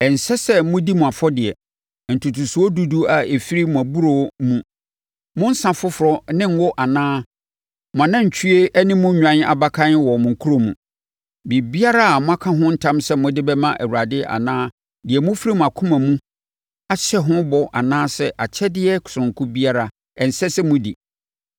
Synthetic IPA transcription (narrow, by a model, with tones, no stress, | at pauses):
ɛ˨n̩˨sɛ˦sɛ˦mʊ̃˦di˦mũ˨a˨fɔ˦dɪ˨ɛ˨ | n̩˨tʰu˨tʰu˨su˨ɔ˦du˦du˦a˨e˨fi˦ɾi˦mũ˨æ˨bu˦ɾo˨˦mũ˦ | mʊ̃˦n̩˦sã˨fʊ˦fʊ˨ɾɔ˦nɪ̃˦ŋ̩˦wɔ˦ʔa˨nãː˦ | mʊ̃˨a˨nã˦ɲ̩˨t͡ɕʰᶣy˦e˦ʔɛ˦nɪ̃˦mũ˦ɲᶣã˨n˦a̰˨ba˦kʰã˦n˦wɔ˨mʊ̃˨ŋ̩˨kʰu˦ɾo˨mṵ̃˨ | bi˨bi˦a˦ɾa˦a˨mʊ̃˦a˦kʰã˦ɦʊ̃˦n̩˦tʰã˦msɛ˦mʊ̃˦dɪ˦bɛ˦mã˦ʔæ̰˨wu˨ɾa˨dɪ˦ʔa̰˨nãː˦ | dɪ˨ɛ˨mʊ̃˦fi˦ɾi˦mʊ̃˨a˨kʰʊ̃˦mã˨mũ˦ | a˨ɕɛ˦ɦʊ̃˦bɔ˨ʔa̰˨nãː˦sɛ˦ʔa˨t͡ɕʰɛ˦dɪ˦ɛ˦kʰʊ̥˨sʊ̃˨ŋ̩˨kʰʊ˦bi˦a˦ɾa˨ | ɛ˨n̩˨sɛ˦sɛ˦mʊ̃˦dɪ̰˨